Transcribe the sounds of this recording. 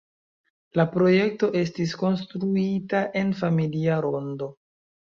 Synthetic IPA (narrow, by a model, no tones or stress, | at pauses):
lapɾo̞je̞k̚to̞ʔe̞s̬tisko̞nstɾuitaʔe̞nfamiliaɾo̞ndo̞